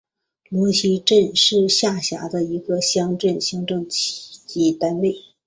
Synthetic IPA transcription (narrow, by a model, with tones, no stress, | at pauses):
lwɔ˧˥ɕʰi˧˥ʈ͡ʂə˥˧nʂɻ̩˥˧ɕja˥˩ɕja̰˧˥d̪ə˧i˧˥ɡə˧ɕjɑ˥ŋʈ͡ʂə˥˩nɕji˧˥ŋʈ͡ʂɤ˥˩ŋt͡ɕʰi̥˨˧˩t͡ɕi˧˥t̪a˥nwe˥˩ɪ